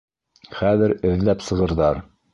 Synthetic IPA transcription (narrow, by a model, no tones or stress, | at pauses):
χæðɘɾɘ̆ðlæpsɤ̆ʁɤ̆ɾðɑɾ